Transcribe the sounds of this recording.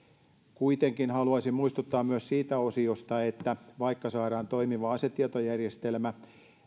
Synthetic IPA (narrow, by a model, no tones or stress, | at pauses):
kuit̪eŋkinhɑluɑsimmuist̪ut̪ːɑːmmyøssiːt̪æosiost̪ɑet̪ːæʋɑikːɑsɑːɾɑːnt̪o̞imiʋɑɑset̪ːiet̪ojærjest̪elmæ